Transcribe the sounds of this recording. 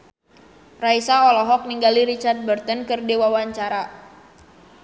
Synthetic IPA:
raisaɔlɔɦɔk̚niŋɡaliɾit͡ʃart̪̚bərt̪ɔnkɨrdiwawaɲt͡ʃaɾa

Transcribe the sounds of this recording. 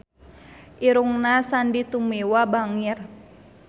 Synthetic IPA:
ʔiɾuŋnasandit̪umewabaŋir

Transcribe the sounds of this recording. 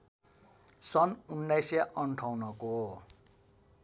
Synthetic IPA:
sʌnunːajseʔʌɳʈʰawnʌko

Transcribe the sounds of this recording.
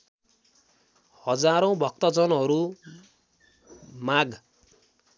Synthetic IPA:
hʌd͡zaɾõw̃bʱʌk̚t̪ʌd͡zʌnɦʌɾu | maɡ

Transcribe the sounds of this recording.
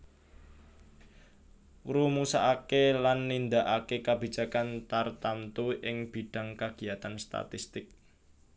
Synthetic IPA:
rumusaʔakelanːind̪aʔakekab̥i̤̥d͡ʒ̥a̤kant̪art̪amt̪uʔɪŋb̥i̤ɖ̥a̤ŋkaɡ̥i̤at̪anst̪a̰t̪ist̪ɪk̚

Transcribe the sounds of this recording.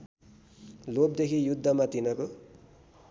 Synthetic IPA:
lob̚d̪ekʰijud̪ʱːʌmat̪inʌko

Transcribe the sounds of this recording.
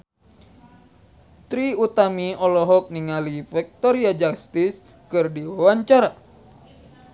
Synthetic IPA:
t̪ɾiut̪amiɔlɔɦɔk̚niŋalifɛk̚t̪ɔɾiad͡ʒakst̪is | kɨrdiwawaɲt͡ʃaɾa

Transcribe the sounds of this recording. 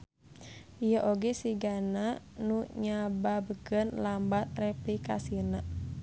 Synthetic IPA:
ʔijəʔoɡɛsiɡana | nuɲababəɡənlambat̪̚rɛplika̰sinəʔ

